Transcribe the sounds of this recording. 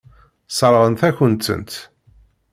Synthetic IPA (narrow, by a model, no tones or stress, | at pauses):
sˤəɾˤʁənθæçənt̪ə̰nt̪